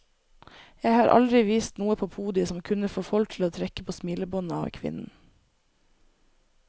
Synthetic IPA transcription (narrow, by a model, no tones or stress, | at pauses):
jæɪhɑːɾʔɑ̰ld̪ɾɪʋiːst̪nuːəpʰoːpʰuːd̪ɪsɔmkʰʉnəfoːfɔlt̪ʰl̩oːt̪ʰɾɛkə̥pʰoːsmɪləbɔnɑɑ̰ʋkʰʋɪ̰nn̩